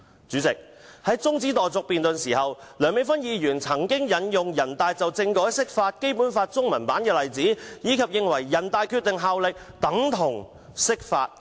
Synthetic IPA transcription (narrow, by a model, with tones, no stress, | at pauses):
t͡syː˨˥t͡sɪ˨k̚ | hɐ˨˥jt͡sʊ˥ŋt͡siː˨˥t̪ɔː˨˩jt͡sɔ˧k̚piː˨nt̪ɵ˨nsiː˨˩hɐ˨wlœː˨˩ŋme˨˧˥fɐ˥njiː˨˧jyː˨˩nt͡sʰɐ˨˩ŋkɪ˥ŋjɐ˨˥njʊ˨ŋjɐ˨˩nt̪aː˧jt͡sɐ˨wt͡sɪ˧ŋkɔː˨˥jsɪ˥k̚faː˧t̚ke˥jpu˨˥nfaː˧t̚t͡sʊ˥ŋmɐ˨˩npaː˨˥nkɛː˧lɐ˨jt͡siː˨˥jiː˨˧kʰɐ˨p̚jɪ˨ŋwɐ˨˩jːɐ˨˩nt̪aː˨˧jkʰyː˧t̪̚ɪ˨ŋɦaː˨wlɪ˨k̚t̪ɐ˨˥ŋt̪ʰʊ˨˩ŋ | sɪ˥k̚fa̰ː˧t̚